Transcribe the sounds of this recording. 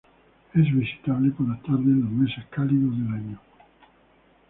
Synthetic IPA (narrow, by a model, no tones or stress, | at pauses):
ɛzvisi̥t̪aβlekodat̪aɾd̪enomesakːaliðod̪elaɲːo